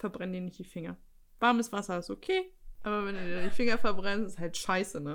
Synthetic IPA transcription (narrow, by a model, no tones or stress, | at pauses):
fɛɐbʁɛndiːnɪçtd̥iːfɪŋɐ | v̥aɐməsv̥asɐɪsokʰeːʔaːβɐvɛnduːdiːɐdiːnfɪŋɐfɛɐbʁɛnstɪsthaltʃaɪsənə